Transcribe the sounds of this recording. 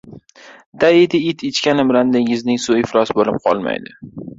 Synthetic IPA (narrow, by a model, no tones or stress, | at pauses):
d̪̥aɪd̪ɪɪt̪ʰɪt͡ʃkʲanɪmland̪ɪŋʲɪznɪŋsʊɪfɾɒsbolɪp̚qʰɒ̰lˠma̰jd̪ɪ